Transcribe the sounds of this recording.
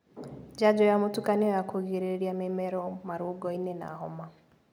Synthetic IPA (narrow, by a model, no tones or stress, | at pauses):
d͡ʒad͡ʒɔjamotukanɛɔjakʰoɣeɾeɾijamɛmɛɾɔmaɾoɡɔinɛna̰ɦɔma